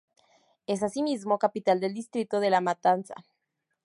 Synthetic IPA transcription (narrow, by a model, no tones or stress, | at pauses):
e̞s̬asimizmo̞kapit̪ald̪eld̪ist̪ɾit̪o̞ð̞e̞lamat̪ansa̰